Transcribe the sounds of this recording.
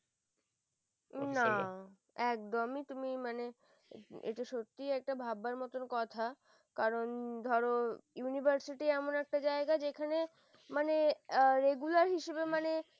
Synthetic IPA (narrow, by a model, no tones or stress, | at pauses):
na | ɛk̚d̪omit̪umimane | ḛʈaʃot̪ːiɛk̚ʈabʱabːaɾmɔt̪onkɔt̪ʰa | kaɾond̪ʱɔɾojunibʱaɾsiʈiɛmonɛk̚ʈad͡ʑaeɡad͡ʑekʰane | maneɾeɡulaɾɦiʃebemane